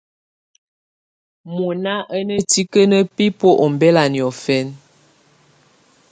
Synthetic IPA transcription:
mo˨na˦ʔə˦nə˦ti˦kə˦nə˦pi˦po˦ʔɔ˨m˨bɛ˦la˨njɔ˨fɛ˦n

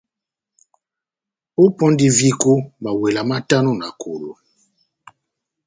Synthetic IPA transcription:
o˦pɔ̃˦ndi˨vi˦ko˦ma˨we˨la˨ma˦ta˦nu˦na˨kʰo˨lo̰˨

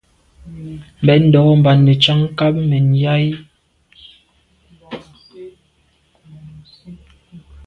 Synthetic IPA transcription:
m̩˨bɛ˨n̩˦dɔ˨ɣɔ˦m˨ba˨nːe˨t͡ʃa˦ŋ˦ka˦p̚mɛ˨n˨ja˦j

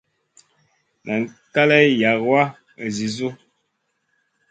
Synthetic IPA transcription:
na˨ŋ˨ka˦lɛ˦ja˨kwa˦ | ə˨zi˨zu˦

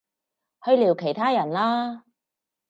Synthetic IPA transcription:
hɵ˧ɥliː˨˩wkʰe˨˩jt̪ʰaː˥jɐ˨˩nlaː˥

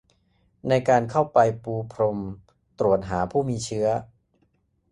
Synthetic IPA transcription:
na˧jkaː˧nkʰa˥˩wpa˧jpuː˧pʰɾo˧m | t̪ɾu˨˩ət̪̚ɦaː˩˦pʰuː˥˩miː˧t͡ɕʰɯ˦˥ɐ

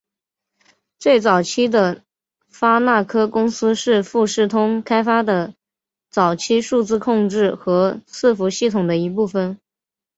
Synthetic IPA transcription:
t͡swe˥˩ɪt͡sɑ˨˩ʊt͡ɕʰi˥d̪ə˨ | fa˥na˥˩kʰɤ˥kʊ˥ŋsɹ̩˥ʂɻ̩˥˧fu˥˧ʂɻ̩˥˩t̪ʰʊ˥ŋkʰa˥ɪfa˥d̪ə˨ | t͡sɑ˨˩ʊt͡ɕʰi˥ʂu˥˧t͡sɹ̩˥˧kʰʊ˥˧ŋʈ͡ʂɻ̩˥˩xɤ˧˥sɹ̩˥˩fu˧˥ɕi˥˩t̪ʰʊ˨˩ŋd̪ə˦i˧˥p̬u˥˩fə˩n

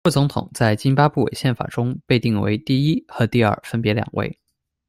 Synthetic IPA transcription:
wɔ˥˩t͡sʊ˧˥ŋt̪ʰʊ̰˨˩˦ŋt͡sa˥˩ɪt͡ɕi˥npa˥pu˥˩wḛ˨˩ɪɕjɛ˥˩nfa̰˨˩ʈ͡ʂʊ˥ŋpe˥˧ɪt̪i˥˩ŋwḛ˧˥ɪt̪i˥˩i˥xɤ˧˥t̪i˥˧ɐ̰˞˥˩fə˥npjɛ˧˥ljɑ̰˨˩ŋwʔḛ˥˩ɪ

